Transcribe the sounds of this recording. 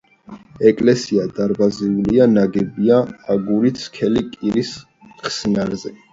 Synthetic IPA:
ɛkʼlɛsiad̪aɾbaziulianaɡɛbiaaɡuɾit̪sʰkʰɛlikʼiɾis | χsnaɾzɛ

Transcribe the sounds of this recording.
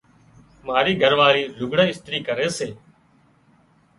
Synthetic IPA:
maːɾiːɡʱəɾʋaːɾiːlʊɡɽə̃ːɪst̪ɾiːkəɾeːseː

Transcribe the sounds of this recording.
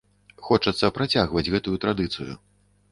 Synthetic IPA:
xɔt͡ʂɐt̪sːɐpɾat͡sʲaɣvɐd͡zʲɣɛt̪ujut̪ɾad̪ɨt̪sɨjṵ

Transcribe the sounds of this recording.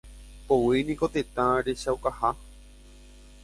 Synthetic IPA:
powinĩko̞t̪et̪ãɾe̞ʃawkaha

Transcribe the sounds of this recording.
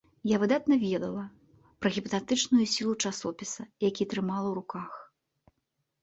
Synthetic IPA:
javɨd̪at̪̚nɐvʲɛd̪ɐlˠɐ | pɾɐɣʲipɐt̪ɛt̪ɨt͡ʂnujusʲilˠut͡ʂasɔpʲisɐjakʲit̪ɾɨmalˠɐwɾukax

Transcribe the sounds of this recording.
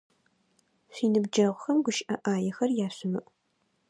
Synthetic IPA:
ɕʷiːnɨbd͡ʒɐʁʷxɐmɡʷʊʃʔɐʔaːjɛxɐrjaːɕʊmɨʔʷ

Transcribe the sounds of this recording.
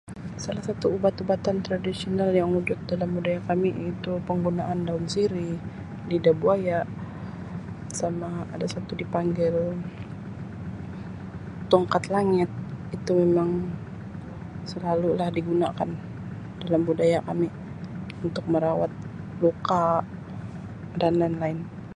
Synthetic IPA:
salahsat̪uːbat̪ubat̪ant̪ɾadisionaljaŋud͡ʒʊt̪̚dalambudajakamiit̪upəŋɡunaʔandaʊnsiɾi | lidabuajaʔ | samaːdasat̪udipaŋɡɪl | t̪ɔŋkat̪laŋɪt̪̚it̪umemaŋ | səlalulahdiɡuna̰kan | d̥alambudajakami | unt̪ʊk̚məɾawa̰t̪̚ | luka | danlaɪnlaɪn

